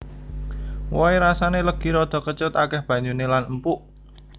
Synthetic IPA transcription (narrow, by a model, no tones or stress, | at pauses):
wɔiɾasaneləɡ̥i̤ɾɔd̪̥ɔ̤kət͡ʃʊt̪akɛhb̥ä̤ɲd͡ʒunelanəmpuʔ